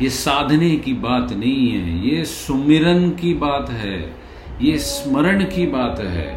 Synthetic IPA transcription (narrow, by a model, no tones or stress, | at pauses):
jeːsaːd̪ʱnekibaːt̪nɐɦĩɦɛ̰jesʊmɪɾənkibaːt̪ɦɛ̰ː | jesməɾəɽ̃kibaːt̪ɦɛ̰ː